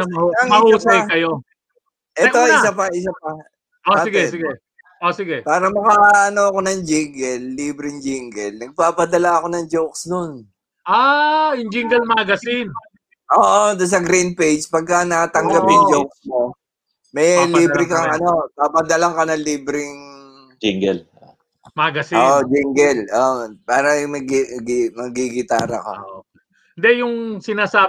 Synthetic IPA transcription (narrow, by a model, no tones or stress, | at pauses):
ɐmɐɐŋɐɾusɐjkɐjo | ʔɛoɪsapɐʔɪs̬apɐ | oaːɪɡɛsɪɡɛ | osɪɡɛpaːɾɐmɐkaʔaʔɐno̞ɐko̞nɐŋd͡ʒiŋɡɛlːiːbɾɪŋd͡ʒɪŋɡɛlnɐɡ̚paːpɐd̪ɐlaɐko̞nɐŋd͡ʒowksd̪on | ʔajʊŋd͡ʒɪŋɡɛlmaɡɐsɪn | ʔoːʔod̪ɐs̬ɐɡɾin̚pejd͡ʒpɐɡ̚kanɐkɐt̪ɐŋɡɐpjʊŋd͡ʒowk̚smo | mɛjliːbɾɪkɐŋʔɐno̞p̪apɐd̪ɐlaŋkanɐliːbɾɪŋ | d͡ʒɪŋɡɛl | maːɡɐsɪoːʔod͡ʒɪŋɡɛlʔopaːɾɐmɐɡɡmɐɡiɡɪt̪a̰ːɾɐ̰kɐ̰o | nd̪ɛjʊŋsɪnaːsaː